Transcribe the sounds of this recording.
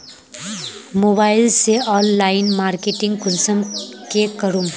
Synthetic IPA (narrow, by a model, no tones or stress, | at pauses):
moːbaːɪlseɔːnːaːɪnmaːɾkeːʈɪ̃ŋɡkʊlsəmkekəɾum